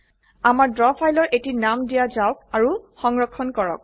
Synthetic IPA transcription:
amaɹdɹɔpʰajlɔɹʔetinamdijazawk̚aɹuxɔŋɹɔkʰːɔnkɔɹɔ̰k̚

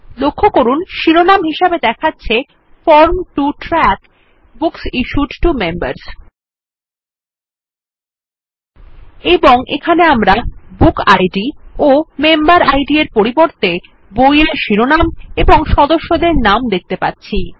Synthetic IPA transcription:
lokʰːokoɾunʃiɾonamɦiʃebed̪ɛkʰatːɕʰe | fɔɾmʈuʈɾɛk | buksiʃuɖʈumemba̰ɾs | eboŋʔḛkʰaneamɾabukajɖiomembaɾajɖieɾpoɾiboɾt̪e | bojeɾʃiɾonameboŋʃɔd̪oʃːod̪eɾnamd̪ek̚t̪epa̰tːɕʰi

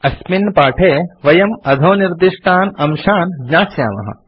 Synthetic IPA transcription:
ɐsminpaːʈʰeːʋɐjɐmɐd̪ʱoːniɾd̪iʃʈʰaːnɐmʃaːnɡɲaːsja̰ːmɐ̰ɦɐ̰

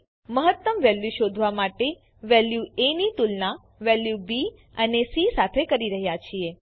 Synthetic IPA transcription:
məɦət̪ːəmʋɛljuʃod̪ʱʋamaʈe | ʋɛljuenit̪ulna | ʋɛljubi | ənesisat̪ʰekəɾiɾəɦjat͡ʃʰie

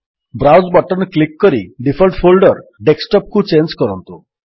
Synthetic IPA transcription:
bɾawsbɔʈɔnklikːɔɾiɖipʰɔlʈpʰolɖɔɾɖeksʈɔp̚kut͡ʃend͡ʒkɔɾɔnt̪u

